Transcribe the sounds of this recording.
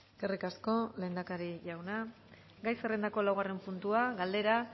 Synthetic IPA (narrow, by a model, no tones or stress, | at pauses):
ɡ̥erikasko̞le̞ːnd̪akaɾiʎawna | ɡajsere̞nd̪ako̞lawɣare̞mpunt̪uaɡald̪e̞ɾa